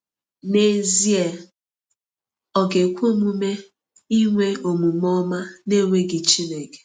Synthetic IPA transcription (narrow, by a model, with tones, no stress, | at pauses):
ne˦zi˦e˨ | ɔ˨ɡe˨kʷo˦˨mu˦me˦ | i˦ŋʷe˦o˨mu˨mɔ˦ma˦ne˦ŋʷe˦ɡɪ˨t͡ʃi˦ne˨ke̥˨